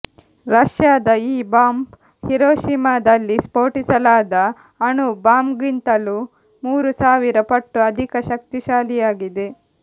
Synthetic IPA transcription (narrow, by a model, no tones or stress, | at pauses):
ɾɐʂjaːd̪ɐiːbaːmp | hiɾoːʃimaːd̪ɐlːispoːʈisɐlaːd̪ɐ | ɐɳubaːmɡint̪ɐlu | muːɾusaːʋiɾɐpɐʈːuɐd̪ʱikɐʃɐk̚t̪iʃaːlijaːɡid̪e̞